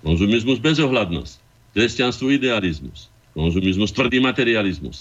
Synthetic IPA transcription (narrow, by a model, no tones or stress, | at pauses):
kɔnzumizmuzbɛzɔɦlad̪nɔ̰s | kɾɛscanst̪ʋɔid̪ɛalizmṵs | kɔnzumizmust̪ʋr̩d̪iːmat̪ɛɾializmṵs